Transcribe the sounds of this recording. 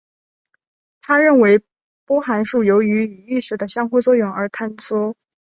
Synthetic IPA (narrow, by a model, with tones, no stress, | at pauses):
t̪ʰa˥ɻə˥˩nwe˧˥ɪ | pwɔ˥xa˧˥nʂu˥˩jo˧˥ʊy˧˥y˨˩i˥˩ʂɻ̩˧˥d̪ə˧ɕjɑ˥ŋxu˥˧t͡swɔ˥˧jʊ˥˩ŋə˞˧˥t̪ʰa˥nt͡swɔ˥